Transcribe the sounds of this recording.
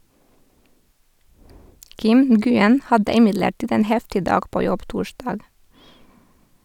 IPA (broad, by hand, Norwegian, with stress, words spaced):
ˈkɪm n̩ɡʉˈɛn ˈhɑdə ɪˈmɪdləˌʈiːd ˈeːn ˈhɛftɪ ˈdɑːɡ ˈpoː ˈjɔb ˈtuːˌʃdɑːɡ